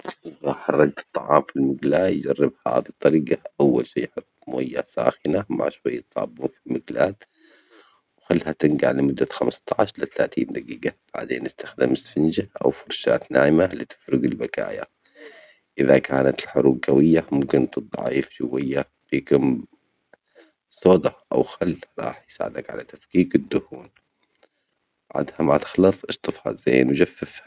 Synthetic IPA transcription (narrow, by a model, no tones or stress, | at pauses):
ʔɪðaħɑrˤːɑɡ̚t̪ɨ̥t̪ˤːɑʕɑ̰ːmfilmʊɡlaːjd͡ʒarːɪbha̰ːðit̪ˤːɑɾiːɡaʔawːalʃiːjħʊt̪ˤːmojːasa̰ːxɪnama̰ʕʃwajːat̪ˤsˤɑ̰ːbuːnfilmaɡlaːt̪ | wxalːhat̪ɪnɡa̰ʕlɪmʊd̪ːaxamst̪ˤɑʕʃlaθalaːt̪iːnd̪aɡiːɡab̥a̰ʕd̪ḛːnʔɪst̪axd̪ɪmɪsfɪnd͡ʒaʔa̰wfʊɾʃa̰ːt̪naːʔɪmalɪt̪ɪ̥fɾʊɡɪlbaka̰ːja̰ | ʔɪðakʰaːnat̪ɪlħʊɾuːɡɡawɪjːamʊmkɪnt̪ɨd̪ˤɑ̰ʕḭːfd͡ʒʊwajːa | b̥iːkʊm | sˤoːd̪ɑʔa̰wxalːɾˤɑ̰ːħjsa̰ːʕɪd̪akʕa̰lat̪afkiːkɪd̪ːʊhuːn | ʕa̰d̪hamat̪ɪ̥xlɑsˤʔɪʃt̪ˤɨfha̰zaːnwd͡ʒafːɪfha